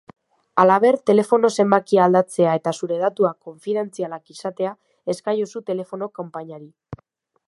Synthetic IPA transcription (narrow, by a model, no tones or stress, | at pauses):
alaβ̞e̞ɾt̪e̞le̞fo̞no̞se̞mbakiald̪at͡se̞ae̞t̪asuɾe̞ðat̪uako̞ɱfiðe̞nt͡sialakisat̪e̞a | e̞skajosut̪e̞le̞fo̞no̞kompaɲaɾi